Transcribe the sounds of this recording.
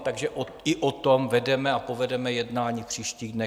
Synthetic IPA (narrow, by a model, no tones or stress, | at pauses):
t̪aɡʒɛʔo | ɪʔot̪omvɛdɛmɛapo̞vɛdɛmɛjɛdnaːɲiːfpr̝̥iːʃciːɣdnɛ